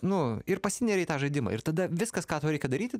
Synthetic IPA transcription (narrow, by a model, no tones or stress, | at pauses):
nʊɪrpɐsʲɪnʲɛɾʲɛɪt̪ɑːʒɐɪd̪ʲɪmɑ̰ːɪrt̪ɐd̪ɐʋʲɪskɐskɑːt̪oːɾʲɛɪkʲɛd̪ɐɾʲiːt̪ʲɪ